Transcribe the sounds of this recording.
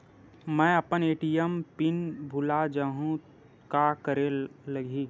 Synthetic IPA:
mɛ̃ːɐpəneːʈijəmpɪnbʱʊlad͡ʒaːɦũ | kakəɾeləɡʱiː

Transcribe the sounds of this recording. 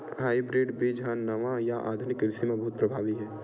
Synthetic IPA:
ɦaːibɾeːɖbʱid͡ʒɐɦanɐʋajaʔa̰ːd̪ʱʊnɪkɾɪsimẽbɐɦʊt̪̚pɾɐbʱaːʋiɦɛː

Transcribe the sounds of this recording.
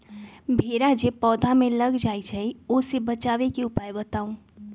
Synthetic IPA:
bʱeɾad͡ʒepɔd̪ʱameləɡd͡ʒajt͡ʃʰəosebət͡ʃaβekeupajbət̪aũ

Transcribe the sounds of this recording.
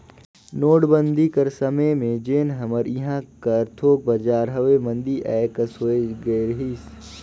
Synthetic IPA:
noːɽbə̃nd̪ʱikəɾsɐməjmẽd͡ʒeːnɦɐməɾiɦãkɐɾt̪ʰoːk̚bɐd͡ʒaːɾɦɐʋemɐ̃nd̪iʔɛːkɐsoeɡəeɾəɦiːs

